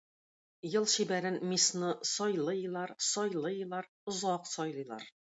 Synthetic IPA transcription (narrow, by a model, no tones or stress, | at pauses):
jɤlˠɕibæɾɘnmisnɤsɒjlˠɤjɤ̆lˠɑɾsɒjlˠɤjɤ̆lˠɑɾ | ŏzɑqsɒjlˠɤ̆jlˠɑ̰ɾ